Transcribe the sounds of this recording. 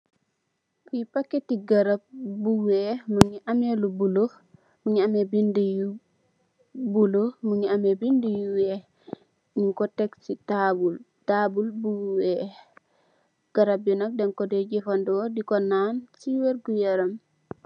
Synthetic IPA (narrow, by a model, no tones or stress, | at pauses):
kujipakːetiɡaɾab̚buwemuɲiʔamelubulo | muɲiamebindiju | bulomuɲiamebindijuwe | ɲiŋkɔtɛksitabul | tabulbuwɛ | ɡ̥aɾab̚jinɔk̚dɛŋkɔdeɟifandɔdikɔnansiweɾɡujaɾam